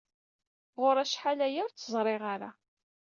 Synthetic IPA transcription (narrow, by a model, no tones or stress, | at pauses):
ʁʊɾˤæʃħalæjəɾˤt͡sːəzˤɾˤɪʁaɾa̰